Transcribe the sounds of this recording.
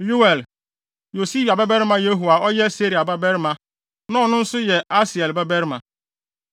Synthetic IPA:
ju˦wɛ˨l | jo˨si˦fi˨a˨ba˦bɛ˦ɾmã˨je˦ɦu˨a˨ɔ˦jɛ˦se˦ɾi˨a˨ba˦bɛ˦ɾmã˨ | nã˦ɔ˨nʊ̃˦n̩˦sʊ˦jɛ˨ʔa˦si˨ɛ˨lba˦bɛ˦ɾmã˨

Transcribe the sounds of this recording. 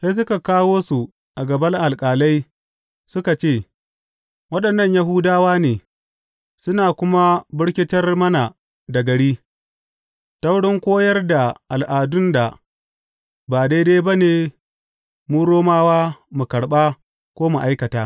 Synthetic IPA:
se˦s̬ʊ˦ka˨kaː˦woː˦su˨ | ʔa˨ɡɐ˨bɐ˦rʔa˨lkʼaː˨la˦j | sʊ˦ka˨t͡ʃeː˦˨ | wɐ˦ɗɐ˨nːɐ˦˨ɲja˦ɦʊ˦daː˦waː˦neː˨ | sʊ˦naː˨kʷʊ˦ma˦bɪ˦ɽkʲɪ˦tɐ˦rmɐ˦na˨ | da˨ɡɐ˨ɽiː˦ | ta˦wɽɪ˦ŋkʷoː˦jɐ˦rda˨ʔa˨lʔaː˨dʊ˦nda˨ | baː˨da˦jda˦jba˦neː˨ | muː˦ɽoː˦maː˦waː˦mu˨kɐ˨ɽɓa˦ | kʷoː˦mu˨ʔa˦jkɐ˨taː˦

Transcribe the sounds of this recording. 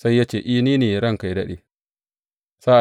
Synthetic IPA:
sa˦jːa˦t͡ʃeː˦˨ʔiː˦niː˦neː˨ɾɐ˦ŋka˨jdɐ˦ɗḛː˨ | saː˦ʔ

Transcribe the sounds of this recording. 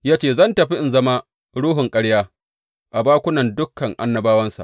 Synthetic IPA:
jaː˦t͡ʃeː˦˨zɐ˦ntɐ˨ɸi˦ʔɪ˨nzɐ˦ma˦ | ɽuː˦ɦʊ˨ŋkʼɐ˦ɽjaː˦ | ʔa˨baː˦kʷʊ˦nɐ˨ndʊ˦kːɐ˨ŋʔa̰˨˦nːɐ˨baː˦wɐ˦nsa̰˨ʔ

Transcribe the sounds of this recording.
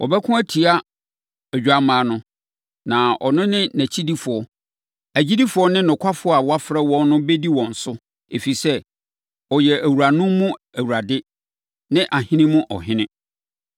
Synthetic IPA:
wʔɔ̰˨bɛ˦kʰʊ̃˦æ˦tʰi˨a˦ | æ˨d͡ʑᶣa˦mãː˨˦nʊ̃˦ | nã˨ɔ̰˨nʊ̃˦nɪ̃˦næ̃˨t͡ɕʰi˦di˦fʊ˨ɔ˦ | æ˨d͡ʑi˦di˦fʊ˨ɔ˦nɪ̃˦nʊ̃˨kʷʰa˦fʊ˨˦ɔ˦a˨wa˦fɾɛ˦wɔ̃˦nnʊ̃˦be˦di˦wɔ̃˨n̩˨sʊ˦ | ḛ˨fi˨sɛ˦ | ɔ˨jɛ˨æ˨wu˨ɾa˨nʊ̃˦mːũ˦æ˨wu˨ɾa˨dɪ˦ | nɪ̃˦ʔa˨hɪ̃˦nɪ̃˦mũ˦ʔɔ˨hɪ̃˦nɪ̃˦

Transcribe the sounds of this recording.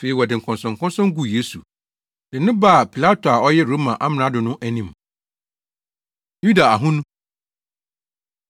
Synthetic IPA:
fe˨i˨wɔ˨dɪ˨ŋ̩˨kʰɔ̃˨nsʊ̃˨ŋ̩˨kʰʊ̃˦n˦sʊ̃˦nɡu˦je˦su˨ | dɪ̃˨nʊ̃˦ba˦˨pʰi˨la˦to˨a˨ɔ˦jɛ˦ɾo˦mã˨ʔa˦mɪ̃˨ɾã˨˦dʊ˨nʊ̃˦ʔæ˨nĩ˨m | ju˦da˨a˨ɦʊ̃˦nũ˦

